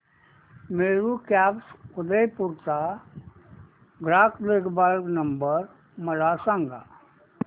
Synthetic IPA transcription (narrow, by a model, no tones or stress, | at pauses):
meːɾukaːpskʰʊd̪əjpʊɾt̪a | ɡɾaːkʰleːkbalnəmbəɾ | məlasãŋɡa̰ː